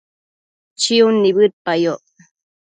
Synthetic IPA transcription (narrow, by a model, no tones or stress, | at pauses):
t͡ʃiunːiβɨt̪̚pajoʔ